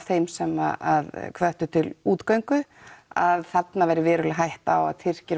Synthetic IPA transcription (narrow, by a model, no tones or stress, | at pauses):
θejmsɛmaaðkʰvœht̪ʏt̪ʰɪluːt̪kœɥŋkʏaðθat̪navɛːɾɪvɪːɾʏlɪɦajht̪awa̰ðt̪ʰɪr̥cɪɾ